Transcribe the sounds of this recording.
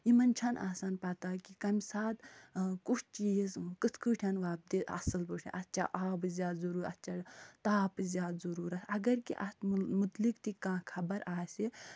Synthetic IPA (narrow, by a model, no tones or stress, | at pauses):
imɐnt͡ʃʰɐnʔaːsaːnpat̪aːkikɐmsaːd̪kut͡ʃʰt͡ʃiːzkɨt̪ʰkɨʈʰʲɐnʋaːb̚d̪iɐ̰sɨlbəːʈʰɐ̰ʔɐt̪ːt͡ʃʰa̰ʔaːbɨzʲjaːd̪zɐɾuːɾʲɐtːt͡ʃʰɐɽt̪aːpɨzjaːd̪zɐɾuːɾɐsɐɡɐɾkḭʔɐt̪mut̪likt̪ikãːkʰɐbɐɾaːse